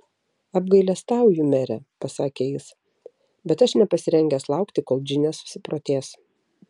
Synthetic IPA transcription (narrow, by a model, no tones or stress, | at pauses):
ɐbɡɐɪlʲɛst̪ɑˑʊjʊmʲɛɾʲɛpɐsɑːkʲeːjɪs | bʲɛt̪ɐʃnʲɛpɐsʲɪɾʲɛŋʲɡʲɛːslˠɑˑʊkt̪ʲɪkoːlˠd͡ʒʲɪnʲɛsʊ̥sʲɪpɾoːt̪ʲeːs